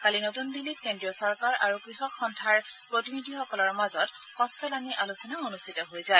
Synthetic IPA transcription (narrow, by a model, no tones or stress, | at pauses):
kalinotundilːitkendɹiɔsɔɹkaɹʔaɹukɹixɔkxɔntʰaɹpɹotinidʱixɔkɔlɔɹmazɔt | xɔstʰɔlaniʔalusɔnaonustʰitɔɦojzaj